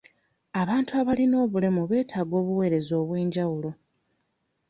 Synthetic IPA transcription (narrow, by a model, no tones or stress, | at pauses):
aβaːntuaβalino̞ːβule̞muβe̞ːtʰaːɡo̞ːβuwe̞ːɾe̞zo̞ːβwe̞ːɲɟawulo̞